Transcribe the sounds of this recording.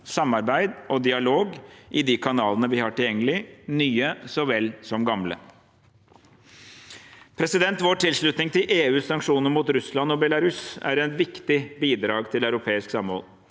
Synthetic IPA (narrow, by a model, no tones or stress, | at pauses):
sɑmːɑɾbæɪd̪ʔɔd̪ɪɑloːɡʔɪd̪iːkʰɑnɑːlənəʋɪhɑʈɪljɛŋːəlɪnyːəsɔʋɛlsɔmɡɑmlə̰ | pʰɾɛsɪd̪ɛnt̪ʋoːʈʰɪlʂɭʉt̪nɪŋt̪ʰɪlʔeːʉːsɑŋkʂuːnəɾmuːt̪ɾʉslɑnɔbɛlɑɾʉsæ̰ɾɛnʋɪkt̪ɪbiːd̪ɾɑːɡt̪ʰɪlœʉɾʊpʰeːɪsksɑmːho̰ːl